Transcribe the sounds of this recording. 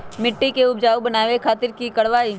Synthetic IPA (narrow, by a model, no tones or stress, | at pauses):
mɪʈːikeʊbd͡ʒaːubɐnaːʋekʰaːt̪ɪɾkikɐɽʋaːi